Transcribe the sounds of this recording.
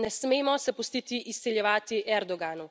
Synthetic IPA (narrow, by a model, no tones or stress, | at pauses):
nɛsmeːmɔsɛpust̪it̪iʔist̪sɛljɛʋaːt̪iʔɛɾd̪ɔɡaːnu